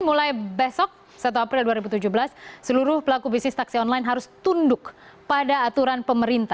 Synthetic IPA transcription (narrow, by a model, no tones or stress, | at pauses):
mulajbɛsɔk̚ | sat̪̬uapɾɪlduaɾibut̪ud͡ʒʊhbəlassəluɾʊhpəlakubisnɪst̪aksiɔnlajnɦaɾʊst̪undʊk | padaːt̪uɾanpəməɾint̪a